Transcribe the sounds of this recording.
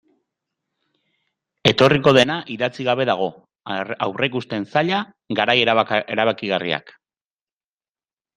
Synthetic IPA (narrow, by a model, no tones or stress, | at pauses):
e̞t̪o̞riko̞ðe̞naʔiðat͡siɣaβe̞ðaɣ̞o̞ | awre̞kust̪e̞nsaʎa | ɡaɾajeeɾaβakiɣarḭa̰k